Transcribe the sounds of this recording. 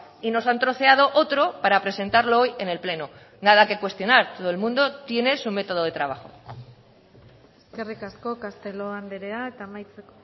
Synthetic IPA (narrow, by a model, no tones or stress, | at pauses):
ino̞sant̪ɾo̞θe̞að̞o̞ʔot̪ɾo̞paɾapɾe̞se̞nt̪aɾlo̞oje̞ne̞lple̞no | nað̞ake̞kwe̞st̪jo̞naɾt̪oð̞oelmũnd̪o̞t̪je̞ne̞sume̞t̪o̞ð̞o̞ð̞e̞t̪ɾaβ̞aχo̞̰ | eske̞rikasko̞kast̪e̞loand̪eɾeaet̪aːmajt͡seko